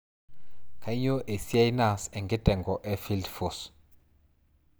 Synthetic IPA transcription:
kʰa˨˦ɲɔ˦ʔe˨si˦a˦jna˦˨sɛ˨ŋɡʱɛ˦d̥ʼʱɛ˨ŋɡɔ˨ʔɛ˦fi˦ldfɔs

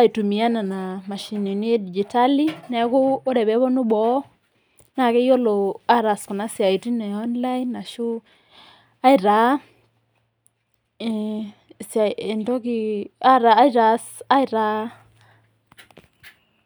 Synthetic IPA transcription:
a˦i˨tu˨mi˨a˦na˨na˨ma˨ʃi˨ni˨ni˦di˨d͡ʒi˨ta˦li˦nɛ˨˦kʊː˦ɾɛ˨bɛ˨˦bɔ˦nu˦bɔ˨˦ | na˨kɛ˦jo˦lo˨a˦ɾa˨skʊ˨na˦sja˨i˨ti˦nɛ˨ɔ˦nla˦i˦nːa˨ʃu˦ | a˦i˨ɾa˨˦˨ | sa˨e˨ndɔ˦ki˦˨a˦ɾa˨˦ɾa˨sa˦i˦ɾa˦

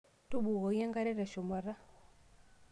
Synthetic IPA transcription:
tu˦ɓu˨ɣɔ˨ja˦ŋɡa˦ɾɛ˦ɾɛ˨ʃɔ˨ma˨ɾa˦

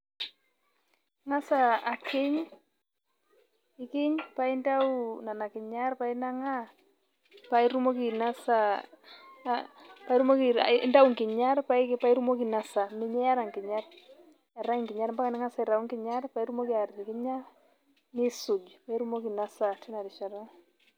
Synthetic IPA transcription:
ŋa˦sa˨a˨kʰɪ˦ɲ | i˦kɪ˦ɲpa˦i˦nda˦u˦na˨na˨kɪ˨ɲa˦ɾpa˨i˦na˦ŋa˦ | pa˨i˦ɾu˦mo˦ki˨na˦sa˦ | pa˦i˦ɾu˦mo˦ki˨a̰˦nda˦u˦ŋkɪ˨ɲa˦ɾpa˦i˦pa˦i˦ɾu˦mo˦ki˨na˦sa˨mɪ˨ɲɛ˦ja˦ɾa˨ŋkɪ˨ɲa˦r | a˨ɾa˦ŋŋkɪ˨ɲa˦ɾmba˦ka˦nɪ˦ŋa˦sa˨i˨ɾa˨u˦ŋkɪ˨ɲa˦ɾpa˨i˦ɾu˦mo˦ki˦a˨ɾti˨kɪ˦ɲa˦ɾ | nɪ˦su˨d͡ʒpa˨i˦ɾu˦mo˦ki˨na˦sa˨tɛ˦na˨ɾi˨ʃa˨ɾɔ˦

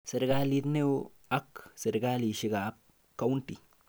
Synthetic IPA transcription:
se˨˧ɾɡa˧li˧d̪ne˦w | a˦kse˧ɾɡa˦li˧ʃi˧ɡa˨p̚ | ka˧˦wnt̪i˨

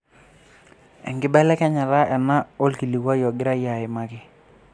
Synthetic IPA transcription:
ɛ̰˨ŋɡɪ˦bɛ˦lɛ˦kɛ˦ɲa˨la˦ʔɛ˨na˦o˦lki˨li˨wa˦jɔ˨ɡɪ˦ɾa˦ja˨ɪ˨ma˦kɪ˦

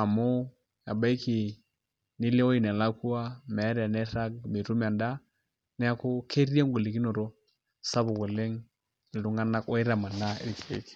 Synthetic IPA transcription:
a˨mo˦ | ja˨ba˦i˦ki˨ | nɪ˦le˦o˦i˨na˨la˦ku˦a˦mɛ˨˦ɾa˨nɛ˦ɾa˦ɡ̚mi˨ɾu˦m˨a˨nda˦ | nɛ˦a˦kʊ˦kʰe˦ɾi˦a˦ŋɡo˨le˨ki˦no˨ɾo˦ | sa˦bʊ˨ɡɔ˨le˦ŋ | i˨lu˦ŋa˦na˦kɔ˦ɪ˦ɾa˨ma˨na˦ḛ˦ɾki˨ɾḛ˦k

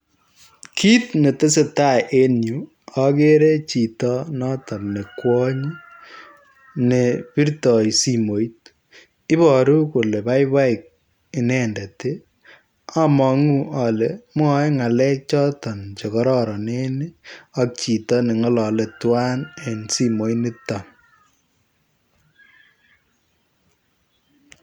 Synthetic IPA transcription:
kʰi˦tne˨te˦se˦ta˦˨ʔe˦nju˨ | a˨ke˦ɾe˦t͡ʃi˨tɔ˦nɔ˦ta˨pne˨kwɔ˦ɲ | ne˨pi˦ɾtɔ˨jsi˨mo˨jt̚ | ɪ˦bɔ˨ɾu˦ko˨le˨ba˦jba˦i˨k̚ | i˨nɛ˦ndɛ˨te˦ | a˦mɔ˨ŋu˦a˨lem˦ɔ˦ŋa˨lɛ˦k̚t͡ʃɔ˦tɔ˨nt͡ʃɔ˨kɔ˦ɾɔ˦ɾɔ˨ne˦ne˦a˦k̚t͡ʃi˨tɔ˦ne˨ŋɔ˦lɔ˨lɛ˨twa˦ne˨nsi˦mo˨˦jne˦ta˨

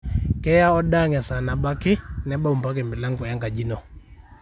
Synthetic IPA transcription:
kɛ˦ja˦ɔ˦ɗa˦˨ŋɛ˨sa˨na˨ba˦kɪ˦nɛ˦ba˦u˨m˨pa˦k̬ɛ˨mbi˨la˦ŋɡɔ˨ja˦ŋɡa˨d͡ʒi˦nɔ˨

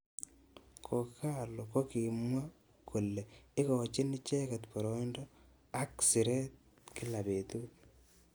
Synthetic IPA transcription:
kʰo˨ka˦˨loko˦ki˨mwa˦ | kʰu˨lːeɪ˦ko˨t͡ʃi˦ni˦t͡ʃɛ˦kɛ˨t̪pɔ˨ɾoindo | a˦ksi˨ɾe˦t̚ | ki˦la˨be˨tu˦

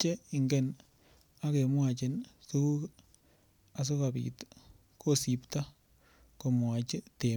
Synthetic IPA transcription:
t͡ʃe˦ɪ˨ŋɡɛ˦˨n | a˦ke˨mwa˨t͡ʃɪ˨nsu˦ku˦k | a˨s̬o˦ka˨pḭ˨t | ko˦si˨pta˦ | ko˨mwa˨t͡ʃɪ˦te˨

